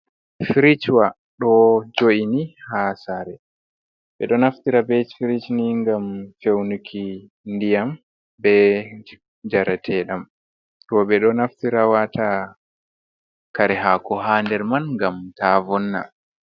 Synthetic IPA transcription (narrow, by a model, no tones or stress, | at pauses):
fiɾit͡ʃwa | ɗɔd͡ʒoʔinihaːsaɾɛ | ɓɛɗɔnaftiɾabɛt͡ʃfiɾit͡ʃniŋɡamfewnukʰi | ndijam | bɛ | d͡ʒaɾatʰɛɗam | tɔɓɛɗɔnaftiɾawata | kaɾɛɦakɔɦandɛɾmanŋɡamtavɔnːa̰